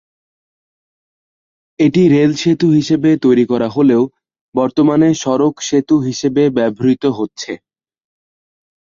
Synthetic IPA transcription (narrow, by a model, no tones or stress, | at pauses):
eʈiɾelʃet̪uɦiʃebet̪ojɾikɔɾaɦoleo | bɔɾt̪omaneʃɔɾokʃet̪uɦiʃebebɛbʱoɾit̪oɦotːɕʰe